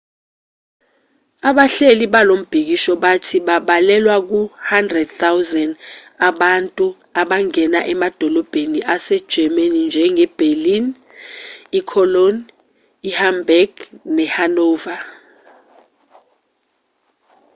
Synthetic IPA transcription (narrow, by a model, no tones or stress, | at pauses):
aɓaɬeliɓalom̩b̥ʱik̬iʃɔɓatʰiɓaɓalɛlwak̬uhandrɛd̚t̪awzɛn | aɓantʼu | aɓaŋɛna̰ʔɛmad̥ʱɔlɔb̥ʱeniʔasɛd̥ʒ̥ʱɛmanind͡ʒʱɛŋɛb̥ʱelin | ikʰɔlɔn | ihambɛɡnɛhanɔːva